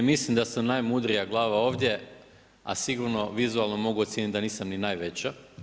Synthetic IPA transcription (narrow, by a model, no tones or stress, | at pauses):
mislimd̪asamnajmud̪ɾijaɡlˠaːʋao̞ːʋd̪ʲje̞ | a̰siɡuɾno̞ʋizualˠno̞mo̞ɡuot̪sjenit̪̚d̪aniːsamninajʋet͡ɕa